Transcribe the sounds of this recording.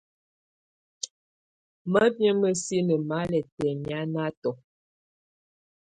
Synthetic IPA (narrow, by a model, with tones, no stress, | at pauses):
mə˦bjə˦mə˨si˦nə˨ma˨˦lɛ˨tɛ˨mja˦na˦tɔ˨